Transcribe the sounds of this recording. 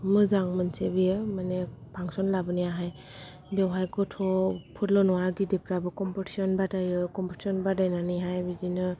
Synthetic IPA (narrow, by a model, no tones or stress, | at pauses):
mɯzaŋmɯnsebijɯmanepʰaŋsɔnlabɯnijaɦaj | dewɦajkɔtʰɔpʰutlɔnɔwaɾɡidepɾabɯkɔmpɔti̥sɔnbadajɯkɔmpɔti̥sɔnbadajnaniɦajbizinɯ